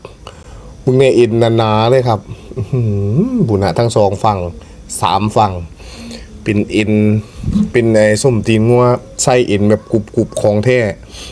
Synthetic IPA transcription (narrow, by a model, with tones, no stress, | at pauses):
bɯ˧˦ŋnɛː˧˩ʔe˨˧nːaː˧naː˨˦lɤː˧˩jkʰa˧˥p̚ʔhɯː˧˩buː˧˩˨naː˧˩t̪ʰa˧˥˨ŋsɔː˨˦ŋfa˧˩ŋ | sa̰ː˨˦mfa˧˩ŋ | pe˨nʔe˧n | pe˨na˨˩jso˧˩mt̪iː˧nŋu˧ɐsa˧˩jʔe˨˩nbɛː˧˩p̚ku˧˩p̚ku˧˩p̚kʰɔː˨˦ŋt̪ʰɛː˧˩